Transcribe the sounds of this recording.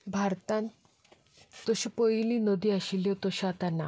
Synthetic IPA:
bʱaɾt̪ãn | t̪ɔɕipəjlinəd̪iaɕiljɔt̪ɔɕat̪ana

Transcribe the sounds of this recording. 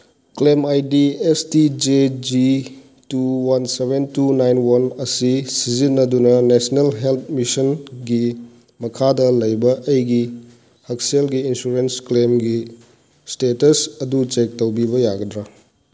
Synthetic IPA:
klemajdiestid͡ʒed͡ʒi | tuwɐnsebentunajnwɐnɐsisizinːɐdunɐnesnelɦelt̚ʰmisɐnɡi | mɐkʰadɐlɐjbɐʔɐjɡi | hɐkselɡiːnsuɾensklemɡi | stetɐsɐdut͡ʃek̚tɐwbibɐjaɡɐdɾa

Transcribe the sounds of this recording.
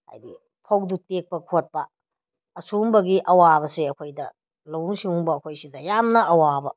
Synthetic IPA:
ha̰jdi | pʰɐwdutek̚pɐkʰot̚pɐː | sumbɐɡiʔɐwabɐseɐkʰojdɐ̰ | lɐwuŋsiŋumbɐːkʰojsidɐjamnɐɐwabɐ

